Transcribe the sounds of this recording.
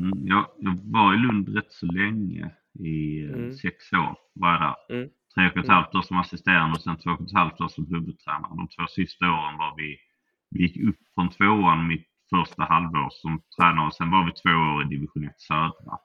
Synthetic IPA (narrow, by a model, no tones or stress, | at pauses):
jɑːjɑːɡvɑɾɪlɵnd̪ɾɛt̪ːsɔlɛŋːə̰ | ɪsɛkso̰ːɾ | vɑɾjad̪æ̰ːɾt̪ʰɾeːkɔt̪halft̪oːsɔmasɪst̪eːɾand̪əɔsɛnt̪ʰv̥oːkɔt̪ʰhalft̪oːsɔmklɵbəd̪̚t̪ʰɾɛːna̰ɾəd̪ɔ̰mt̪ʰv̥oːsɪst̪aoːɾənvɑɾvɪ | vɪjɪkːɵpːfɾɔnt̪ʰvoːoːənmɪt̪ | fœɾʂt̪ahalvo̰ːɾsɔmt̪ʰɾɛːnaɾɔsɛnvɑɾvɪt̪ʰvoːoːɾɪd̪ɪvɪɧʊnɛt̪sœːd̪ɾa̰